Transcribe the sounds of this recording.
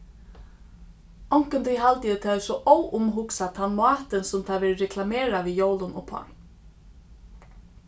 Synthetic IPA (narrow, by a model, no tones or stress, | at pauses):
ɔwŋ̥kənt̪ʰiɦalt̪əjət̪ʰaðɛsɔʔɔwʔʊmɦʊksat̪ʰanmɑːt̪ənsʊmt̪ʰaðʋɛːɾɹɛkʰlameːɾaʋiːjowlʊnʊpʰha̰n